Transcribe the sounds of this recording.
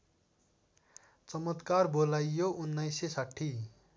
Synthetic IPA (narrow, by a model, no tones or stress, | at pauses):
t͡sʌmʌt̪karbolajːoʔunːʌjsesaʈʰːi